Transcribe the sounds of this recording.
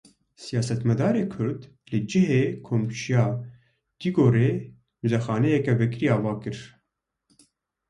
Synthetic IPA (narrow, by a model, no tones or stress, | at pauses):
sijɑːsɛt̪mɛd̪ɑːɾeːkʰʊɾd̪ | lɨd͡ʒɪɦeːkʰoːmʃijɑː | d̪̥iːɡoːɾeː | mɨzɛxɑːnɛjɛkɛvɛkɾiːɑːvɑːkɨɾ